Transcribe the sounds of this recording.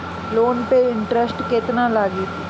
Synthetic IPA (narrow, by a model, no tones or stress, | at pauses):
loːnpeɪɳʈɾəsʈkeːt̪nalaːɡit̪